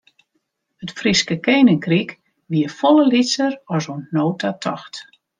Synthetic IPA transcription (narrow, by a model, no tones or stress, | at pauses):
hətfriskəkeːnəŋkrik | ʋiəfoləlisəɾɔsonnoːtʰatʰɔ̰xt